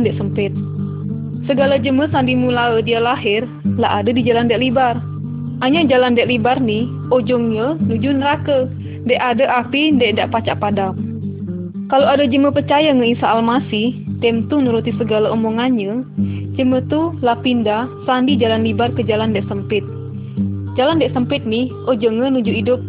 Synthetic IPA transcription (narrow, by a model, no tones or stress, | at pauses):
ndɛʔsəmpɪt̪̚ | səɡalad͡ʒəməsandimulaədialaɦɪr | la̰ʔadədid͡ʒalandɛʔlibar | aɲad͡ʒalandɛʔlibarnih | od͡ʒɔŋɲənud͡ʒunəɾakə | ndɛʔadəʔapindɛʔndaʔpat͡ʃaʔpadam̚ | kaloadəd͡ʒəməpərt͡ʃajaŋəisaːlmasiht̪ɛmt̪unuɾut̪isəɡalaumɔŋanɲəd͡ʒəmət̪ulapindasandid͡ʒalanlibarkəd͡ʒalandɛʔsəmpɪt̪̚ | d͡ʒalandɛʔsəmpɪt̪̚nih | od͡ʒɔŋːənud͡ʒuidʊp̚